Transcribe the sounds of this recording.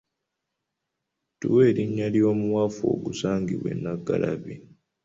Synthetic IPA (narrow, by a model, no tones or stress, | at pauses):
tuwe̞ːɾiɲːalio̞ːmuwafoːɡusaːŋɡiβwe̞̰nːaɡalʔaβi